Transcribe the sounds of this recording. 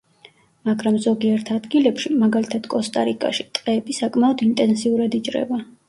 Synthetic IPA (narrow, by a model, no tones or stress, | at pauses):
maɡɾamzɔɡiɛɾt̪ʰad̪ɡilɛpʃimaɡalit̪ʰad̪̥kʼɔst̪ʼaɾikʼa̰ʃit̪ʼqʼɛːbisakʼmaɔd̪int̪ʼɛnsiuɾad̪it͡ʃʼɾɛ̰ba